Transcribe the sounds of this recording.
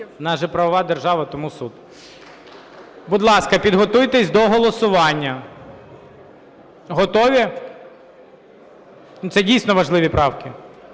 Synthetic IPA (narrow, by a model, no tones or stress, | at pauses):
nɑʒɛpɾɐʋɔʋɑd̪erʒɑʋɐt̪ɔmusud̪ | bʊd̪lˠɑskɐpʲid̪ɦɔt̪ujt̪ɛsʲd̪ɔɦɔlˠɔsʊʋɑnʲːɐ | ɦɔt̪ɔʋʲi | nʊt̪sɛdʲijsʲnɔʋɐʒlˠɪʋʲipɾɑwkʲɪ